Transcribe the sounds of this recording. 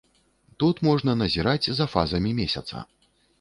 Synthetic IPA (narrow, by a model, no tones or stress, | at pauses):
t̪ut̪mɔʐnɐnɐzʲiɾad͡zʲzɐfa̰zɐmʲimʲesʲɐ̰t̪sɐ̰